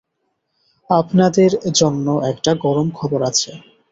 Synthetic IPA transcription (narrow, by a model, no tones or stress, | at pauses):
apnad̪eɾd͡ʑonːoʔɛkʈaɡɔɾomkʰɔboɾat͡ɕʰe